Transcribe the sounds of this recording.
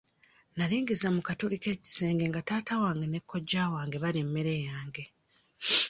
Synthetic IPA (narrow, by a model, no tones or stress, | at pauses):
naliːŋɡizamukatulike̞ːci̥se̞ːŋɡe̞ŋɡataːtawaːŋɡene̞kʰːo̞ɟːaːwaːŋɡe̞βalimːeɾe̞jaːŋɡe̞